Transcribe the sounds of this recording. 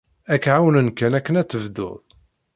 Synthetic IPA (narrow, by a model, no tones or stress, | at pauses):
ækːʕawnənkænækːənæt͡sːəvd̪ʊ̰ðˤ